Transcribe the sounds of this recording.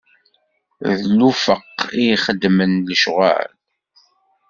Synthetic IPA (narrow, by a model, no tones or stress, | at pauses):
ðlufəqːiχəd̪ːmənləʃʁæ̰l